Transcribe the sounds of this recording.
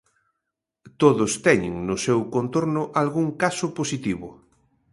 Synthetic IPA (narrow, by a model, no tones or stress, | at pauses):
t̪oðʊst̪ɛɲɪ̰ŋnʊsewkont̪oɾnʊʔalɣuŋkasʊposit̪iβʊ